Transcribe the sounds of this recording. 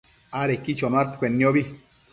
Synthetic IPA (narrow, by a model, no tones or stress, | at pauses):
aɾekit͡ʃomat̪kʷenːioβi